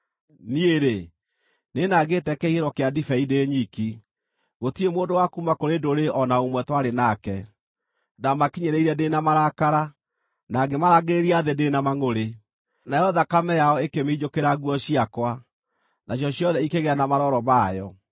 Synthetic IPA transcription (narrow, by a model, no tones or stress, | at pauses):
nieɾe | nenaɡetɛkɛiheɾɔkeadifɛideːɲiki | ɣotiemoːdowakumakoɾedoɾeʔɔnaomwɛtwaɾenakɛ | namakiɲeɾeiɾɛdenamaɾakaɾa | naɡemaɾaɣeɾeɾiaðedenamaŋoɾe | najɔðakamɛjaɔekemeid͡ʑokeɾaɣwɔɕiakwa | naɕ̬jɔɕijɔðɛikeɣeanamaɾɔɾɔmajɔ